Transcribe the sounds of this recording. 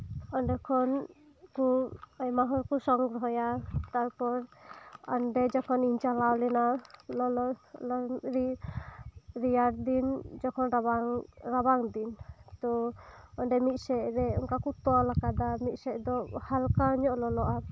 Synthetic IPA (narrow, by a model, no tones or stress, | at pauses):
ɔɳɖɛkʰɔn | kuajmaɦɔɾkusɔŋɡɾɔɦɔjat̪aɾpɔɾɔnɖɛd͡ʒɔkʰɔniɲt͡ʃalawlɛnalɔlɔlɔɾi | ɾijaɾd̪ind͡ʒɔkʰɔnɾaŋɾabaŋd̪int̪ɔɔnɖɛmit̪̚sɛʔɾɛɔŋkakut̪ɔalakad̪amit̪sɛʔd̪ɔhalkaɲɔʔlɔlɔʔa